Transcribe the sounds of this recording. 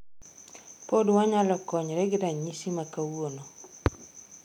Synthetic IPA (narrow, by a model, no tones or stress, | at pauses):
podwaɲalɔkɔɲɾɛɡɪɾaɲisimakawono